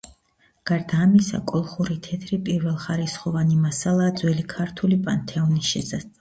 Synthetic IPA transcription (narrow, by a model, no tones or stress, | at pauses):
ɡ̥aɾd̪aːmisa̰kʼɔlˠχuɾit̪ʰɛt̪ʰɾipʼiɾvɛlˠχaɾisχɔvanimasalˠaːd̪zwɛlikʰaɾt̪ʰulipʼant̪ʰɛɔnisʃɛsasʼ